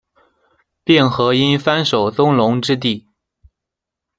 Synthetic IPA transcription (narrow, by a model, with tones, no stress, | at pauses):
pjɛ˥˩nxɤ˧˥i˥nfa˥nʂo˨˩ʊt͡sʊ˥ŋlʊ˧˥ŋʈ͡ʂɻ̩˥t̪̬i˥˩